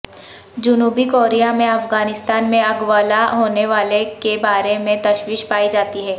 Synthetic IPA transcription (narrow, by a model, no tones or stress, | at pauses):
d͡ʒʊnuːbikoːɾijamẽɐfɡaːnɪst̪aːnmẽɐɡʋaːlaɦoːneʋaːlekebaːɾemẽt̪ɐʃwiʃpaːid͡ʒaːt̪iɦɛː